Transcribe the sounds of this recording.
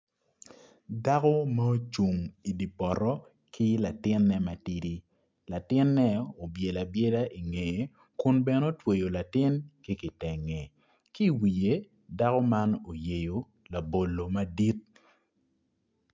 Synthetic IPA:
da˦kɔ˦mɐ˦o˦t͡ʃu˨ŋi˨di˨pɔ˨ɾɔ˦ | ki˦la˨tɪ˦nːɛ˦ma˨ti˦di˦ | la˨tɪ˦nːɛ˦o˨bje˨la˨bje˦da˦ʔi˨ŋe˨ | kʊ˦nbɛ˦no˦twe˨jo˨la˨tɪ˦nki˦ki˨tɛ˨ŋe˨ | ki˦˨wi˨je˦ | da˦kɔ˦ma˦no˨je˨jo˨ | la˨bo˨lːo˨ma˦di˦t̚

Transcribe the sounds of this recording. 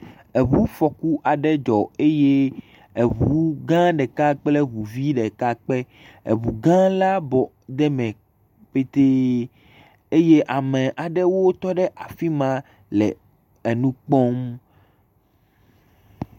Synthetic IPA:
e˨βu˦fɔ˨ku˦ʔa˨ɖɛ˦d͡ʒɔ˨e˦je˦ | e˨βu˨˦ɡã˦ɖɛ˨ka˦k͡ple˦βu˨vi˦ɖɛ˨ka˦k͡pe˦ | ḛ˨βu˨ɡã˦la˦bɔ˨ | d̪ɛ˦mɛ̃˨ | ɸe˦t̪e˦ | e˦je˦ʔa˨mẽ˨ʔa˨ɖɛ˦wo˦t̪ɔ˦ɖɛ˦ʔa˨fi˦mã˦ | lɛ̰˨ | e˨nũ˦k͡pɔ˦m

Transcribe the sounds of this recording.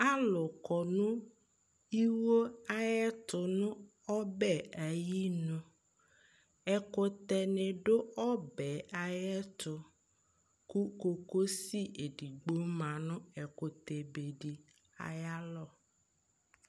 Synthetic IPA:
a˦lʊ˨kɔ˨nʊ̃˦ | i˦wo˦a˦jɛ˦t̪ʊ˨nʊ̃˦ | ɔ˦bɛ˦˨a˨ji˦nʊ̃˦ | ɛ˨kʊ˨t̪ɛ˨nɪ̃˨ɖʊ˦ɔ˦bɛ˨a˨jɛ˦t̪ʊ˨ | ku˦ko˨ko˦si˦e˨di˨ɡ͡bo˦mã˨nʊ̃˦ɛ˨kʊ˨t̪e˨be˨ɖi˨ | a̰˨ja˦lɔ˦˨

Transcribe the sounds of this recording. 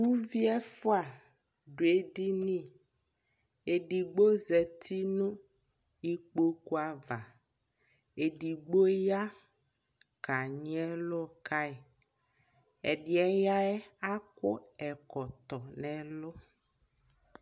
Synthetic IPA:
u˦vi˦ɛ˦fo˦a˨ | ɖo˨e˦ɖi˦nĩ˦˨ | e˨ɖi˨ɡ͡bo˦zɛ˨t̪ʰi˦nũ˦ | i˦k͡po˦ku˦a˨va˨ | e˨ɖi˨ɡ͡bo˦ja˦ | ka˨ɲ˦ɛ˦lo˦ka˦i˨ | ɛ˨ɖi˨ɛ˦ja˦ɛ˦a˦ko˦ɛ˨kɔ˨t̪ɔ˨nɛ̃˨lo˦

